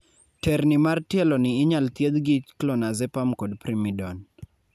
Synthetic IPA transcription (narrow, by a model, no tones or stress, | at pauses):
tɛrnɪmartjɛlɔnɪːɲalt̪jed̪ɡit͡ʃklɔnazɛpamkɔdpɾimidɔn